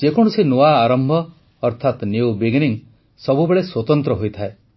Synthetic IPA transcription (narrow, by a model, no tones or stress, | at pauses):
d͡ʒekɔɽ̃usinoaːɾɔmbʱɔː | ɾt̪ʰat̪njiwbiɡniŋ | sɔbubeɭeswɔt̪ɔnt̪ɾɔɦojt̪ʰae